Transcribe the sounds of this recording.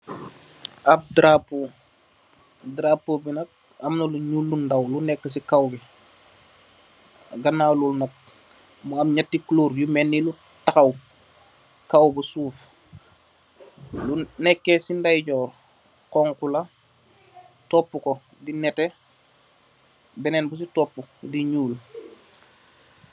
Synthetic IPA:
ɐp̚dɾapu | dɾapːobinɐk̚ | ɐmnɐluɲulːundawlunɛkːɐs̬ikawbi | ɡɐnaːlulnɐk̚ | mamɲatːikluːɾjumɛnːilu | takɐw | kawbusuːf | lunɛkːesindajɟɔːɾ | kɔŋkula | tɔpːuko | dinɛte | bɛnɛnbus̬itɔpːudiɲuːl

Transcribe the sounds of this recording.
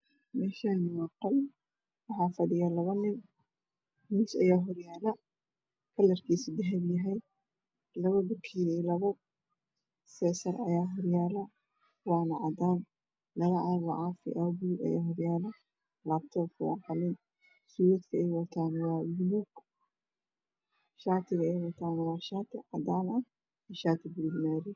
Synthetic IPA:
mɛːʃanɪwɑqɐl | wɑħɑːfɐɖɪjalɐβɐnɪn | musɐjaːɦɔrjaːlɐ | kʰɐlɐrkʰiːsdɪɦɛbjɐɦɛj | lɐβɐbʊkʰiɛlɐβɐ | sɛːsɐrɐjaːɦɔrjaːlɐ | wɑːnɐʕɑd̪aːn | lɐɣɐʕaːɾlɐʕafɪ̰ʔɐbuluɡɐ̰ja̰ːɦɔɾjaːlɐ | laːbt̪ʰɔfʊɑqɑlɪn | suːɾɐd̪kʰɐɛjwɑt̪ʰaːnwɑːbʊluɡ | ʃaːt̪ʰɪɣɐɛjwɑt̪ʰaːnwɑːʃaːt̪ʰɪʕɑd̪aːnɐ | ʃaːt̪ʰɪbʊluːɡmaːɾɪ

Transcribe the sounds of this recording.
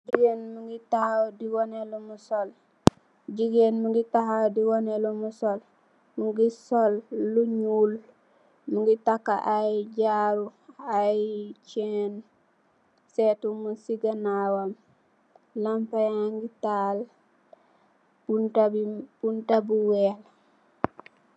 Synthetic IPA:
d͡ʒiɡenmuŋɡitahawdiwonelumusol | ɟiɡenmuŋɡitahawdiwonelumusol | muŋɡisolːuɲuːl | muŋɡitakːa̰ʔajɟaɾuajt͡ʃen | setumusiɡanawam | lampajaŋɡital | buabib̥untabuwel

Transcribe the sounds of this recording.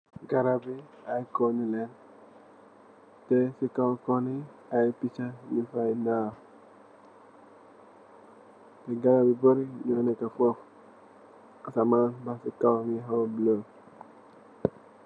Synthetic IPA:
ɡaɾabi | ajkɔnilɛn | tɛsikawkɔni | ajpit͡ʃaɲifainaː | tɛɡaɾabiboɾiɲɔnɛkafɔf | asamanbasikawŋiɦawblo

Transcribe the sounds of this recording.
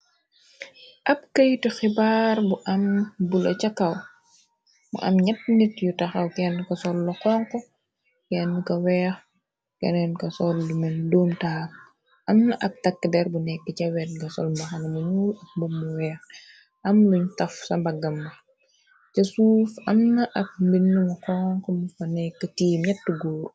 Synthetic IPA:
ʔɐp̚kɐjtixibaːrbuʔɐmbulɐ̰t͡ʃɐkɐw | mṵʔɐ̰mɲɐt̚nitjutɐxɐwkɛnːkɐsɔlːɔkɔːŋkɔ | kɛnːkɐwɛːx | kɛ̰nɛnkɐsɔlːumɐndoːmtaːp̚ | ʔɐmnɐʔɐk̚tɐkːədɛɾbunɛkːəcɐwɛt̚ɡɐsɔ̰lmbɐxɐnɐmuɲuːlɐk̚bumːuwɛːx | ɐmluɲtɐfsɐmbɐɡɐmːɐ | cɐsuːfɐmnɐʔɐk̚mbinːumɐkɔːŋkɔmufɐnɛkːɐtiːmɲɐtːuɡoː

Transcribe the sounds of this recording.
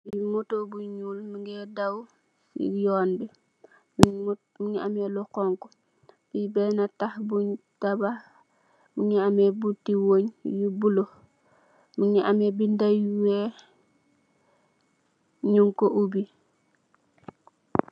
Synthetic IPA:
imotobuɲulmiŋɡɛdaw | ḭjoːnbɛ | m | miŋiamɛlukɔŋkɔ | bibɛnatahbuɲtaba | miɲiamebutːiwoɲjubulo | miŋiʔamebindajwe | ɲuŋkoʔubi

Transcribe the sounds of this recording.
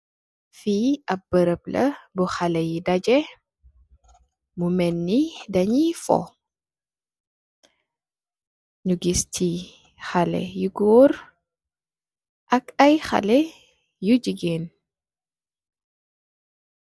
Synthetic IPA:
fiːɐp̚b̥əɾəplɐbuxɐlɛjidɐɟɛ | mumɛnːidɐɲifɔ̰ | ɲuɡistʰi | xalɛ̰juɡɔːr | ʔɐkɐjxɐ̰lɛ | juɟiɡeːn

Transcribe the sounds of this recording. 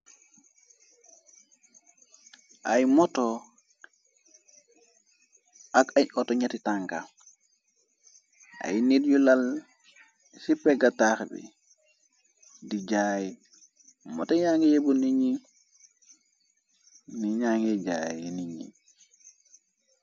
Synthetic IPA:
ajmɔtɔ | akajɔtɔɲatitaŋka | a̰jnidjulal | sipeɡataxbḭ | did͡ʒaji | mɔ̰toɲaŋɡijebuniɲi | niɲaŋɡeɟa̰jiniɲḭ

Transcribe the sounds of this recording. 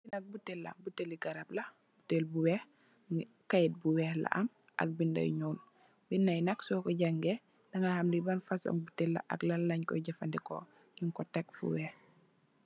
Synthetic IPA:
binɐk̚butelːa̰buteliɡaɾab̚lɐ | butelbuwɛh | kajt̚buwɛhla̰ʔɐm | ʔa̰k̚bindɐ̰jɲoːn | binːajnɐksɔkɔɟaŋɡɛ | dɐŋahamdibanfasɔ̰ŋbutɛlːa̰ʔɐ̰klalːaɲkɔ̰ɟɛfandɛkɔ̰ | jiŋkɔtɛk̚fṵwɛːh

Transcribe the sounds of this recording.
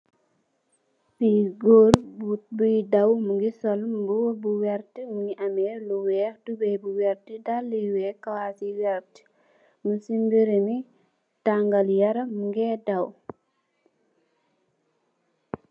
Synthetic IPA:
piɡɔːɾbut̚bujdɐwmuŋɡisɔlmbuwbuwɛɾtimuŋɡiʔɐmɛluwɛːxtubɛjbuwɛɾtidalːiwɛːkːɐwasiwɛɾti̥ | musimbiɾemi | taŋɡɐljɐɾɐmuŋɡɛːdɐw

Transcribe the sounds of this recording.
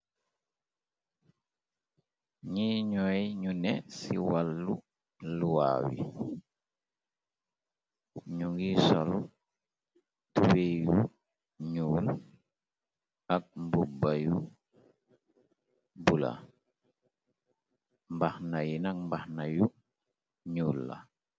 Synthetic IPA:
ɲiɲɔjiɲunɛsḭwalːu | luwa̰ːwḭ | ɲuŋɡisolu | tuweju | ɲuːl | ak̚mbubaju | bula̰ | mbahnajinak̚mbahnaju | ɲuːlːa̰

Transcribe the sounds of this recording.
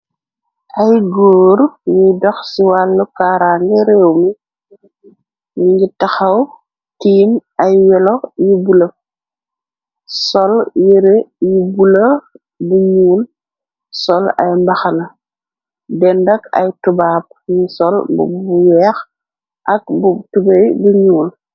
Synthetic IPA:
ʔɐjɡoːɾnidɔxsiwalːukaːɾaːŋɡɛɾɛwmi | ɲŋɡitɐxɐw | tiːmɐjːɛlɔjibulɐ | sɔljiɾejibulɐ | buɲuːl | sɔlɐ̰jmbɐxɐlɐ | bɛndɐkɐ̰jtubaːp̚ɲisɔlbuwɛːx | ʔɐk̚butubejbuɲuːl

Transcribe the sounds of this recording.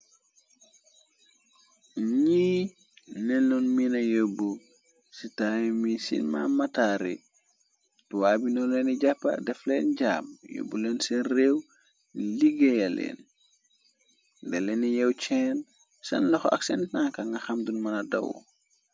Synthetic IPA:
ɲi | nɛnlɔnminɐjəbːu | sitajmisḭnma̰mɐtaːɾḭ | tuwabinɔlɛniɟapːɐ̰dɛflɛːnɟa̰ːmjo̰bːulɛːnsinreːw | liɡɛjɐlɛ̰ːn | dɛlɛnijɛwt͡ʃɛːn | sɐ̰nlɔxa̰ksɛntnaŋkɐŋɡɐxɐmdunmɐnɐdɐ̰wɔ̰

